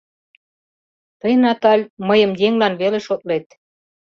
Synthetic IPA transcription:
t̪ɤjnɑt̪ɑlʲməjə̆mjeŋlɑnβeleʃot̪̚let̪̚

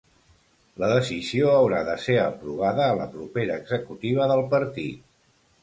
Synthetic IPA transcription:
ləðəsizioəwɾaðəseəpɾuβ̞aðəːlə̰pɾupeɾəːɡzəkut̪iβ̞əðəlˠpəɾt̪it̪̚

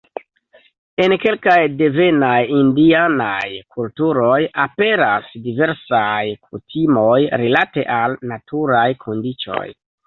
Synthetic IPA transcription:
e̞nke̞lkajde̞ve̞najindianajkʰultuɾo̞jape̞ɾasdive̞ɾsajkʰutʰimo̞jɾilate̞ʔalnatʰuɾajkʰo̞ndit͡ʃo̞̰j

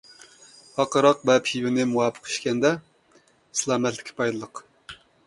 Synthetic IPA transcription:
hɑqəɾɑq̚bɛphiwɪnɪmuwɑːpʰə̥qi̥ʃkʲɛnd̪ɛ | slˠɑːmɛt̪lɪ̥kʲʰːipʰɑjd̪ɨlˠəq

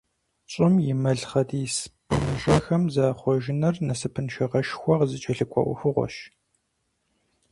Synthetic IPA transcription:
t͡ɕʼɪmjɪmɐɮχɐdiːspʰɨnɕʼɐxɐmzaːχʷɔʒɪnɐrnɐsɨpʰɨnʃɐʁɐʃxʷɔʁzɨt͡ʃʼɐɬɨkʷʼɔ̰ʔʷʊ̰xɨʁʷɔ̰ʃ

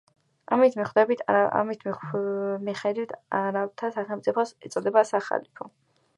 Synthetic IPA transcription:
amit̪ʰmiχwd̪ɛbit̪ʰa̰mit̪ʰm | miχɛd̪wit̪ʰaɾavt̪ʰasaχɛlˠmt̪sʼipʰɔsɛt̪sʼɔd̪ɛbasaχa̰lipʰɔ

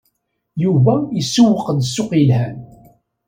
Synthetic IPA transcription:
juvæjəsːuwəqəd̪sːʊqjlhæn

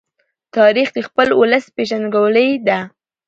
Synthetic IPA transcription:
t̪ɑɾixd̪əxpəlʊləspeʒanɡawləjd̪a

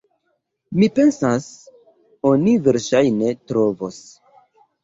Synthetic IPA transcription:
mipe̞nsas | o̞niveɾʃajne̞tɾo̞vos

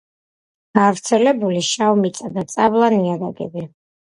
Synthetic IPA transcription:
ɡ̥avɾt̪sʰɛlɛbuliʃavmit̪sʼad̪at̪sʼablˠaniad̪aɡɛ̰bi

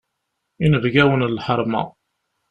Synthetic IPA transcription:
inəvɡæwənlħəɾˤmɑ̰

